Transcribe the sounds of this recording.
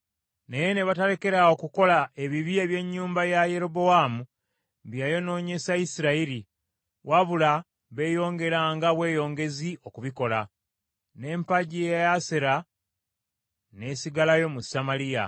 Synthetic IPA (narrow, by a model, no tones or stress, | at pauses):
nejene̞βataɾe̞ke̞ɾao̞kuko̞lae̞βiβieβje̞ɲːuːmbajaje̞ɾo̞bo̞waːmu | βjajo̞no̞ːɲe̞sajisiɾaiɾi | wʔaβula | βe̞ːjo̞ːŋɡe̞ɾaŋɡaβwe̞ːjo̞ːŋɡe̞ziʔo̞kuβiko̞la | ne̞ːmpaɟiejjaseɾa | ne̞siɡalajo̞musamalija̰